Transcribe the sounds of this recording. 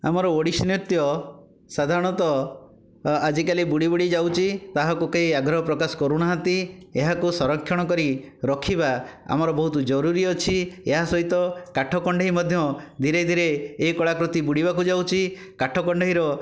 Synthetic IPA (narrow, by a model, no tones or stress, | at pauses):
a̰mɔɾɔoɽisnit̪jɔ | sad̪ʱaɾɔɽ̃ɔt̪ɔ | ad͡ʒikalibuɽibuɽid͡ʒawt͡ʃʰit̪aɦakukeiaɡɾɔɦɔpɾɔkasɔ̥kɔɾunaɦat̪ieɦakusɔɾɔkʰːjɔɽ̃ɔkɔɾi | ɾɔkʰibaa̰mɔɾɔbɔɦut̪ud͡ʒɔɾuɾiɔt͡ʃʰieɦasɔɦit̪ɔkaʈʰɔkɔɳɖʱaɦimɔd̪ʱjɔd̪ʱiɾed̪ʱiɾeːkɔɭakɾut̪ibuɽibakud͡ʒawt͡ʃʰi | kaʈʰɔkɔɳɖeɦiɾɔ